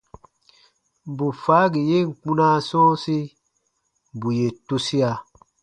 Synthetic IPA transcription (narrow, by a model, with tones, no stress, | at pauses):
bu˨faː˨˦ɡi˨je˦˨ŋ̩˨k͡pũ˦nã˦sɔ̃ː˦si˦ | bu˨je˨tu˦si˦a˨